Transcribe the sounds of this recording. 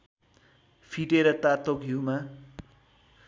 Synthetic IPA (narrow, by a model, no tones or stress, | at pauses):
pʰiʈeɾʌt̪at̪okɦuwma